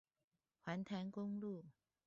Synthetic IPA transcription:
xwa˧˥nt̪ʰa˧˥nkʊ˥ŋlu˥˨

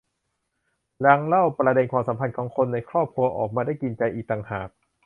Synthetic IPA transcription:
ɾla˧ŋla˥˩wpɾa˧de˧nkʰwaː˧msa˩˦mpʰa˧nkʰɔː˩˦ŋkʰo˧nːa˧jkʰɾɔː˥˩p̚kʰu˧ɐʔɔ̰ː˨˩k̚maː˧da˥˩jki˧nt͡ɕa˧jʔiː˨˩k̚t̪a˨˧ŋhaː˨˩k̚

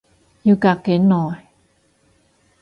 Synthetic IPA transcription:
juː˨˧˩ka˨˩kːe˨˦˥nːɔː˨˩j

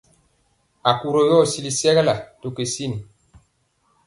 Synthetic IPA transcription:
a˨ku˨ɾo˨jɔ˦˨si˦li˨sɛ˦ɣɛ˦la˨to˨ke˨si˦ni˨

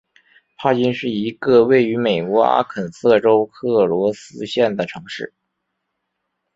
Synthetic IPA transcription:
pʰa˥˩t͡ɕi˥nʂɻ̩˥˩i˧˥ɡə˧we˥˩ɪy˧˥me˨˩ɪkwɔ˧˥a̰˥kʰə˨˩nsɤ˥˩ʈ͡ʂo˥ʊkʰɤ˥˩lwɔ˧˥sɹ̩˥ɕjɛ˥˩nd̪ə˩ʈ͡ʂʰɤ˧˥ŋʂɻ̩˥˩

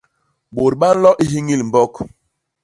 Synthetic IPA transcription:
ɓo˨ɾɓa˦n̩˦lɔ˦ʔi˦ɦi˦ŋi˦lm̩˨bɔ˦˨k

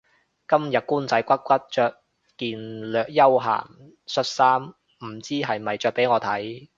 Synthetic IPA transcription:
kɐ˥mjɐ˨t̚kuː˥nt͡sɐ˨˥jkʷɐ˥t̚kʷɐ˥t̚t͡ʃœː˨˧k̚ | kiː˨˧nlœː˨k̚jɐ˥wɦa̰ː˨˩ŋ | sɵ˧t̚saː˥m | m̩˨˩t͡siː˥ɦɐ˨jmɐ˨jt͡ʃœː˨k̚pe˨˥jŋɔː˨˧t̪ʰɐ˨˥j

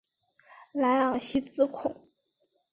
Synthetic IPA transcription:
la˧˥ɑ˨˩ŋɕi˥t͡sɹ̩˥kʰʊ˨˩˦ŋ

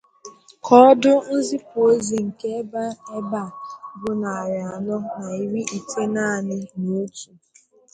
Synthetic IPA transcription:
kʰɔ˦dʊ˦n̩˦zi˦po˦zi˨ŋ̩˨ke˦ba˦e˦ba˦˨bʊ˦na˨ja˨nɔ˦na˨i˦wi˦i˨tʰe˦na˦˨a˨nɪ˦no˨˦tu˨

